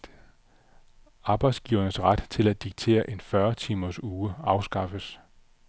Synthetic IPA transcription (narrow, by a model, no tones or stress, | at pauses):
ɑ̈ːb̥ɑ̈ɪd̥sɡ̥iʊɐnəsʁad̥t͡sʰe̝læ̥iɡ̥̚t͡sʰe̝̰ːɐʔe̝nfɶɐt͡sʰiːmɐsuːəɑ̈ʊsɡ̥ɑ̈fəs